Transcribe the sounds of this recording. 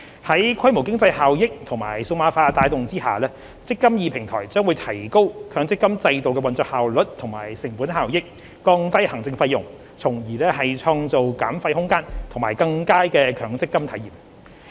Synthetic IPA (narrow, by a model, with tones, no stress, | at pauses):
hɐ˨˥jkʰɐ˥jmo˨˩wkɪ˥ŋt͡sɐ˧jhaː˨wjɪ˥k̚t̪ʰʊ˨˩ŋmaː˨˩jsʊ˧maː˨˥faː˧t̪aː˨˧jt̪ʊ˨ŋt͡siː˥ha̰ː˨lɛː˥ | t͡sɪ˥kːɐ˥mjiː˧pʰɪ˨˩ŋt̪ʰɔː˨˩jt͡sœː˥ŋwu˨˧jt̪ʰɐ˨˩jko˥wkʰœː˨˥ŋt͡sɪ˥kːɐ˥mt͡sɐ˧jt̪o˨wkɛ˧wɐ˨nt͡sɔː˧k̚haː˨wlɵ˨t̚t̪ʰʊ˨˩ŋmaː˨˩jsɪ˨˩ŋpuː˨˥nɦaː˨wjɪ˥k̚ː | ɔː˧ŋt̪ɐ˥jhɐ˨˩ŋt͡sɪ˧ŋfɐ˧jːʊ˨˩ŋ | t͡sʰʊ˨˩ŋjiː˨˩lɛː˥hɐ˨jt͡ʃʰɔː˧ŋt͡so˨wka̰ː˨˥mfɐ˧jhʊ˥ŋkaː˥nt̪ʰŋmaː˨˩jkɐ˧ŋkaː˥jkɛː˧kʰœː˨˥ŋt͡sɪ˥kːɐ˥mt̪ʰɐ˨˥jiː˨˩m